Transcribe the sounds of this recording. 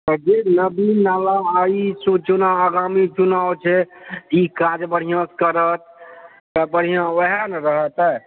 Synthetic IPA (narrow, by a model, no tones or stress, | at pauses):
t̪əd͡ʒenəbinalaːisut͡ʃunaəɡamit͡ʃunawt͡ʃʰɛikad͡ʒbəɽ̤ijãskəɾət̪̚ː | əbəɽ̤ijãəɦanɾəɦət̪ɛ